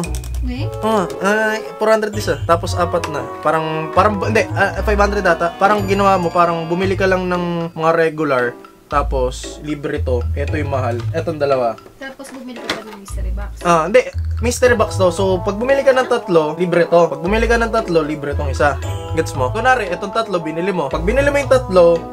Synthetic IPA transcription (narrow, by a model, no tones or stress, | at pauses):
ʔoŋaʔafoɾhand̪ɾɛd̪ɪsɐt̪aːposʔaːpɐt̪̚nɐpaːɾɐŋpaːɾɐŋhɪnd̪ɛʔɐfajbhand̪ɾɛd̪ːaːt̪ɐpaːɾɐŋɡɪnɐwaːmo̞paːɾɐŋbʊmɪlɪkɐlɐŋnɐŋmɐŋaɾɛɡʊlɐɹ | t̪aːpo̞sliːbɾɛt̪o̞ʔɛt̪ojʊŋmɐɦalʔɛt̪o̞nd̪ɐlɐwa | t̪apsmk̪ | ʔohɪnd̪ɛʔmist̪ɛɾbakst̪o̞sopɐɡ̚bʊmilɪkɐnɐŋt̪ɐt̪lo̞liːbɾɛt̪o̞pɐɡ̚bʊmilɪkɐnɐŋt̪ɐt̪lo̞liːbɾɛt̪oŋʔɪsaɡɛt̪smo̞konaːɾɪʔɛt̪oŋt̪ɐt̪lo̞bɪnɪlɪmo̞pɐɡ̚bɪnɪlɪmojʊŋt̪ɐt̪lo̞